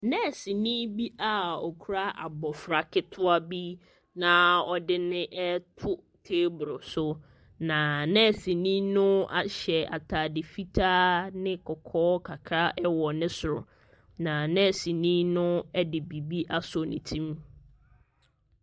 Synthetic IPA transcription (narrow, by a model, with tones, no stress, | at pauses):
nɛ̃˦˨si˨nĩ˦bi˦ʔa˦ɔ˨kʰu˦ɾa˦ʔa˨bɔ˨fɾa˨kʰɪ˦tʰʊ˦a˦bi˦ | nã˨ɔ˨dɪ˦nɪ̃˦ʔɛ˦tʰʊ˦ | tʰeː˦bʊ˨ɾʊ˨sʊ˦ | nã˨nɛ̃˦˨si˨nĩ˦nʊ̃˦a̰˦˨ɕɛ˨a̰˨tʰaː˨dɪ˨fi˦tʰaː˦nɪ̃˦kʰɔ˨kʰɔː˦kʰa˨kʰɾa˦ʔɛ˦wɔ˨nɪ̃˦sʊ˨ɾʊ̰˨ | nã˨nɛ̃˦˨sĩ˨nĩ˦nʊ̃˦ɛ˦dɪ˨bi˨bi˦ʔa˦sʊ˨nḭ̃˨tʰĩ˦m